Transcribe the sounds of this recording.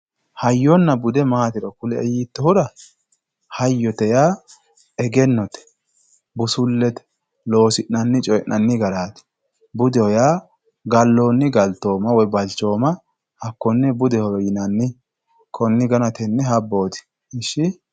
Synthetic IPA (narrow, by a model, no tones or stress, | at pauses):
hɐjːɔnːɐbʊd̪ɛmaːt̪ɪɾɐkʊlɛɛjit̪ːɔhʊɾɐ | hɐjːɔt̪ɛjaː | ɛɡɛnːɔt̪ɛ̥ | bʊsʊlːɛt̪ɛ̥ | lo̞ːsɪnːɐnːɪt͡ʃʼɔjɛnʔɐnːɪɡɐɾaːt̪ɛ̥ | bʊd̪ɛhɔjaː | ɡɐlːo̞ːnːɪɡɐlt̪o̞ːmɐwɔjbɐlt͡ʃo̞ːmɐ | hɐkːɔnːɛbʊd̪ɛhɔjɔjɪnɐnːɪ | kʰɔnːɪɡɐnɐt̪ɛnːɛɦɐbːo̞ːt̪ɪ̥ | ɪʃːɪ